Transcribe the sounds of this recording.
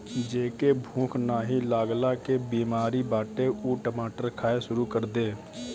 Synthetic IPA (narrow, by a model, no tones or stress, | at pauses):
d͡ʒeːkeːbʱũːkʰnaːɦiːlaːɡlaːkebiːmaːɾiːbaːʈeːuːʈəmaːʈəɾkʰaːeːʃʊɾuːkəɾd̪eː